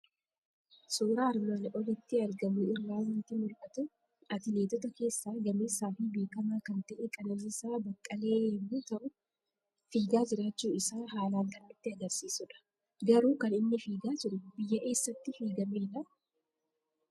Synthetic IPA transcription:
soːɾaːɾmɐnʔɔlɪt̪ːɪɐɾɡɐmʊɪrːaːnɪt̪ːɪmʊɾkʼɐt̪ʊ | ʔɐt̪ɪle̞ːt̪ɔt̪ɐke̞ːsːaːɡɐmeːsːaːfɪbe̞ːkɐmaːkɐnt̪ɐʔɛkʼɐnɐnːsaːbɐkʼːɐle̞ːjɛmːuːt̪ɐʔʊ | fiːɡaːd͡ʒɪɾaːt͡ʃːuːɪsaːɦaːlaːnk̪ɐʔɐɪt̪ːɪɐɡɐɾsiːsʊᶑɐ̥ | ɡɐɾuːkɐnɪnːɪfiːɡaːd͡ʒɪɾʊb̥ɪjːɐʔe̞ːsːɐt̪ːɪfiːɡɐmeːnɐ

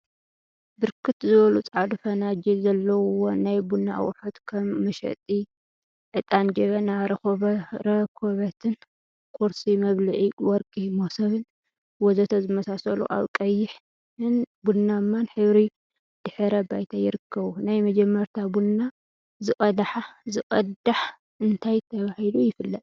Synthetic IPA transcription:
bɨɾkʰɨt̪zɨβɐlut͡sʼʕad̪ufɐnad͡ʒizɐlːɐwwonajbunːa̰wʊħot̪kʰɐmːɐʃɐ̰t̪ʼi | ʕɨt̪ʼand͡ʒɐβɐna | ɾɐkʰoβɐt̪ʰɨn | kʰʼoɾsimɐβlɨʕiwɔɾkʼimosɐβɨn | wɔzɐt̪ʰozɨmɐsasɐlṵʔa̰βkʼɐjːɪħ | ɨnbunːamːanħɨβɾi | d̪̥ɨħɨɾɐbajt̪ʰajɪɾɨkʰːɐβunajmɐd͡ʒɛmːɐɾt̪ʰabunːa | zɨkʼɐlaħazɨkʼɐd̪aħ | ɨnt̪ʰajt̪ʰɐβahilujɪfɨlːɐt̪ʼ

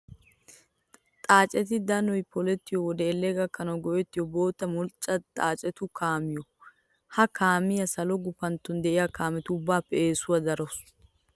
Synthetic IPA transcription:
t̪ʼaːt͡ʃʼɛt̪ɪd̪ɐnɔjpɔlɛt̪ːɪjɔwɔd̪eːlːeɡɐkːɐnɐɡɔʔɛt̪ːɪjɔbo̞ːt̪ːɐmɔlt͡ʃʼːɐt̪ʼaːt͡ʃʼɛt̪ʊkʰaːmɪjɔ | hɐkaːmɪjɐsɐlɔɡʊfɐnt̪ːʊnd̪ɛʔɪjakaːmɛt̪ʊʊbːaːpːɛeːsʊwɐd̪ɐɾɔs

